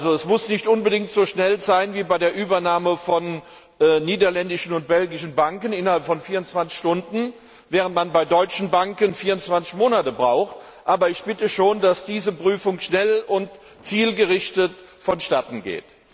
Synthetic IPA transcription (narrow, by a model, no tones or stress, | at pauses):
ʔalzoɛsmʊsnɪçtʔʊnbədɪŋtz̥oːʃnɛlzaɪnviːbaɪdeːɐʔyːbɐnaːməfɔnː | iːdɐlɛndɪʃn̩ʊnt̚b̥ɛlɡɪʃn̩baŋkənɪnɐhalpfɔnfiːɐʊnt͡sv̥ant͡sɪ̥çʃtʊndn̩ | vɛːʁ̞əntmanb̥aɪdɔʏt͡ʃn̩baŋkənfiːɐʊnt͡sv̥ant͡sɪçmoːnatəbʁaʊxt | ʔaːbɐɪçb̥ɪtəʃoːndasd̥iːzəpʁ̥yːfʊŋʃnɛlʊnt | t͡siːlɡəʁɪʃtətfɔnʃtatn̩ɡḛːt